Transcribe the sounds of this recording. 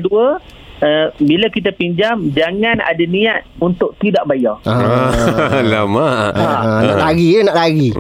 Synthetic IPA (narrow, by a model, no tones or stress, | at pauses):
duə | əbilakit̪̬apiɲd͡ʒamd͡ʒaŋana̰daniat̪̚unt̪ʊʔ̚t̪idaʔbajaəalamaanaʔlaɡinaʔlaɡi